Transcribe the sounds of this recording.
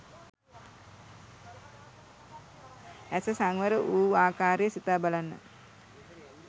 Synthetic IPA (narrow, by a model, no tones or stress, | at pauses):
æsəsaŋʋəɾəʔuːaːkaːɾejəsit̪aːbalanːə̰